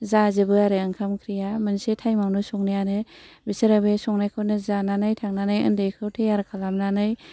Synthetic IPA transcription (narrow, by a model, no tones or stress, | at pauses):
zazɯbɯaɾeɯŋkʰamkʰɾijamɯnsetʰajmawnɯsɔŋnijanɯbisɯɾabesɔŋnajkʰonɯzananɯjtʰaŋnanɯjɯ̰ndejkʰɯwtʰejaɾkʰalamnanɯj